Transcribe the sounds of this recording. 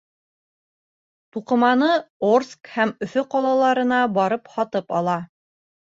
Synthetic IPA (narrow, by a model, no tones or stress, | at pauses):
t̪uqɤ̆mɑnɤorskhæmɵ̆θɵqɑlˠɑlˠɑɾɤ̆nɑbɒɾɤphɒt̪ɤpɑ̰lˠɑ